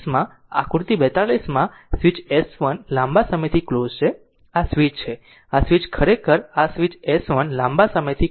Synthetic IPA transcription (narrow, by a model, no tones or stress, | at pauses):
smã | a̰kuɾt̪ibɛt̪alismã | sʋit͡ʃɛsʋənlãmbasəməjt̪ʰiklozt͡ʃʰe | asʋit͡ʃt͡ʃʰe | asʋit͡ʃkʰəɾekʰəɾasʋit͡ʃɛsʋənlãmbasəməjt̪ʰi